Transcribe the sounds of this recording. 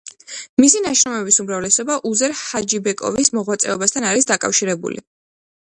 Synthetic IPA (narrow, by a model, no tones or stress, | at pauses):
misinaʃɾɔmɛbisumɾavlɛsɔbaʔuzɛɾhad͡ʒibɛkʼɔ̰vismɔʁwat̪sʼɛɔbast̪ʰanaɾisd̪akʼa̰fʃiɾɛbṵlḭ